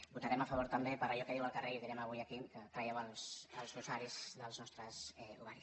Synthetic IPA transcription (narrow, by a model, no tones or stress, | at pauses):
but̪aɾɛməfəβ̞oɾt̪əmbepəɾəʎɔkəðiwəlˠkəreiuðiɾɛməβujəkikət̪ɾajɛwəlˠsəlˠzuzaɾizðəlˠznɔst̪ɾəzɛuɣaɾi